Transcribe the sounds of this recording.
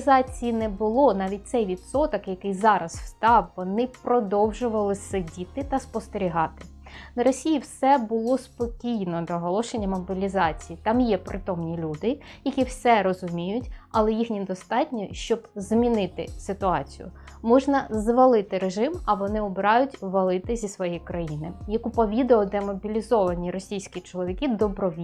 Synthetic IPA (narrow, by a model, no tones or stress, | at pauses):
zɑt͡sʲijinɛbʊlˠɔnɑʋʲit̚ʲt̪sɛjʋʲid̪sɔt̪ɔkjɐkɪjzɑɾɐssst̪ɑwʋɔnɪpɾɔd̪ɔwʒʊʋɐlˠɪsɪdʲit̪ɪt̪ɐspɔst̪eɾʲiɦɑt̪ɪ̥ | nɐɾɔsʲijiwsɛbʊlˠɔspɔkʲijnɔd̪ɔɦɔlˠɔʃenʲːɐmɔbʲilʲizɑt͡sʲijit̪ɑmjɛpɾʔɪt̪ɔmnʲilʲud̪ɪjɐkʲiwsɛɾɔzʊmʲijʊtʲɐlˠɛjixnʲid̪ɔst̪ɑtʲnʲiʃt͡ʃɔbzmʲinɪt̪ɪsɪt̪ʊɑ̰t͡sʲijʊ̰mɔʒnɐzʋɐlˠɪt̪ɪɾeʒɪmɐʋɔnɪɔbɪɾɑjʊtʲʋɐlˠɪt̪ɪzʲisʋɔjɛjkɾɐjinɪjɐkupɔʋʲid̪ɛɔd̪ɛmɔbʲilʲizɔʋɐnʲiɾɔsʲijsʲkʲit͡ʃɔlˠɔʋʲikid̪ɔbɾɔʋʲi